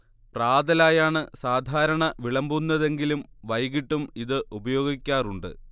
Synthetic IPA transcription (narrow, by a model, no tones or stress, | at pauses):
praːd̪ɐlaːjaːɳɨsaːd̪ʱaːɾɐɳɐʋiɭɐmbunːɐðe̞ŋɡilumʋɐjɣiʈːumiðɨʔubɐjo̞ːɡikʲːaːruɳɖɨ̰